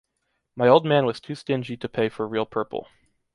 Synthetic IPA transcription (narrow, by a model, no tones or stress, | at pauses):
maɪoʊlˠd̚mæ̃nwʌz̥tʰʉstɪ̃nd͡ʒiɾɨpʰeɪfə˞ɹilˠpʰɜ˞pl̩ˠ